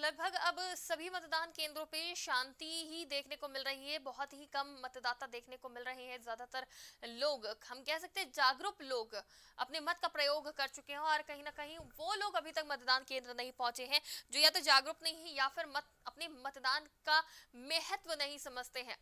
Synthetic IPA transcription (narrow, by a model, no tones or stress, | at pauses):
lɐɡ̚bʱɐɡɐbsɐbʱimɐt̪d̪aːnkẽːnd̪ɾõpeʃãːnt̪iɦid̪eːkʰnekomɪlɾɐɦiɦɛbɔɦʊt̪ɦikɐmːɐt̪d̪aːt̪ad̪eːkʰnekomɪlɾɐɦeɦɛ̃zjaːd̪at̪ɐɾloːɡɦɐmkɛɦs̬ɐk̚t̪eɦɛ̃d͡ʒaːɡɾʊploːɡɐ̰pnemɐt̪̚kapɾɐjoːɡkɐɾt͡ʃʊkeɦɛ̃ɔːɾkɐɦĩnɐkɐɦĩʋoːloːɡɐbʱit̪ɐkmɐt̪d̪aːnkẽːnd̪ɾənɐɦĩpɔ̃ɦʊ̃t͡ʃeɦɛ̃d͡ʒoːjat̪od͡ʒaːɡɾʊpnɐɦĩɦɛ̃jaːfɪɾmɐt̪̚ɐpnemɐt̪d̪aːnkameɦət̪ʋənɐɦĩsɐməd͡ʒt̪eɦɛ̃ː